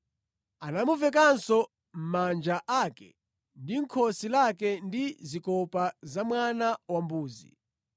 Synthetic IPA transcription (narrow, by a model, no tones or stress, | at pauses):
anamuvɛk̬ansɔ | m̩mand͡ʒaʔaːkɛ̰ | ndiŋ̩kʰɔsilakɛndizikɔpazamwanawambuːzḭ